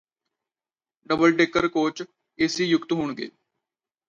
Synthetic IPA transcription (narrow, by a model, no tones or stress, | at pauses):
ɖəbəlʈeːkəɾkoːt͡ʃ | eːsiːjʊkt̪ɦoːɳɡḛː